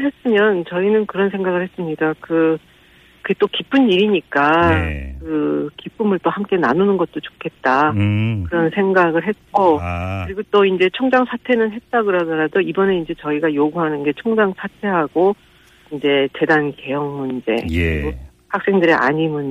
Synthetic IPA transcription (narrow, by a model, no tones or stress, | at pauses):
ɦe̞s͈ɯmjʌnt͡ɕʌinɯnkɯɾʌnsʰe̞ŋɡaɣɯɭhe̞s͈ɯmɲidakɯ | kɯet͈okip͈ʰɯnːiɾiɲik͈akɯkip͈ɯmɯɭt͈ohamk͈e̞na̰nunɯnɡʌt̚t͈ot͡ɕo̥kʰe̞t̚t͈akɯɾʌnsʰe̞ŋɡaɡɯɭɦe̞t̚k͈okɯɾiɡot͈oind͡ʑe̞t͡ɕʰoŋd͡ʑaŋsʰatʰe̞nɯnɦe̞t̚t͈aɡɯɾadʌɾadoibʌne̞ind͡ʑe̞t͡ɕʌiɡajoɡuɦanɯnɡe̞t͡ɕʰoŋd͡ʑaŋsʰatʰe̞ɦaɡo | ind͡ʑe̞t͡ɕe̞danke̞jʌŋunid͡ʑe̞̰o | hak̚s͈e̞ŋdɯɾiʔa̰ɲimɯn